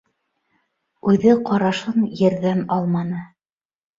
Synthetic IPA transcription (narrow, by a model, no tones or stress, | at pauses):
ʉðɘqɑɾɑʃɤnjɘ̆ɾðænɑlˠmɑnɤ